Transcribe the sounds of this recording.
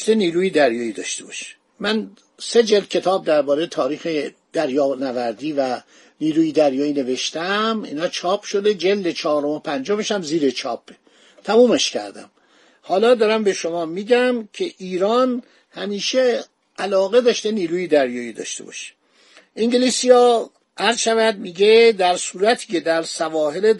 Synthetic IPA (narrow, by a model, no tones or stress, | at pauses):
t̪eniːɾuːjed̪æɾjɒːid̪ɒ̰ːʃt̪ebɒ̰ʃe̥ | mæn | sed͡ʒeld̪̚kʰe̞t̪ʰɒːb̚d̪æɾbɒːɾejet̪ʰɒːɾiːxe | d̪̥æɾjɒːnævæɾd̪iːvæ | niːɾuːjid̪æɾjɒːiːne̞ve̞ʃt̪æmḭːnhɒːt͡ʃʰɒːpʰʃod̪ed͡ʒeld̪et͡ʃʰɒːɾomopʰænd͡ʒomeʃæmziːɾet͡ʃʰɒːpʰːe | t̪ʰæmuːmeʃcʰæ̰ɾd̪æ̰m | hɒːlɒːd̪ɒːɾæmbe̞ʃomɒːmiːɟæmcʰeʔiːɾɒːn | hæmiːʃe | ʔælɒːɣe̞d̪ɒːʃt̪eniːɾuːjid̪æɾjɒːid̪ɒ̰ːʃt̪e̞̰bɒ̰ːʃe̥ | ʔiŋɟelisijɒː | ʔæɾzʃævæd̪̚miːɡed̪æɾsuːɾæt̪ʰiːcʰed̪æɾsævɒːɦele